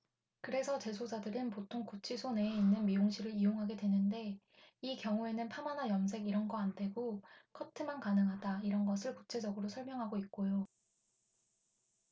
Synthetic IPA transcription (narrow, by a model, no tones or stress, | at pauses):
kɯɾe̞sʰʌt͡ɕe̞sʰod͡ʑadɯɾɯnpotʰoŋkut͡ɕʰisʰone̞ːinːɯnmioŋɕʰiɾɯɾioŋɦaɡe̞dwe̞nɯnde̞ | ikjʌŋue̞nɯnpʰamanajʌms̬ʰe̞ɡiɾʌnɡʌandʰe̞ɡokʰʌtʰɯmankanɯŋɦadaiɾʌnɡʌsʰɯɭkut͡ɕʰe̞d͡ʑʌɡɯɾosʰʌɭmjʌŋɦaɡoik̚k͈ojo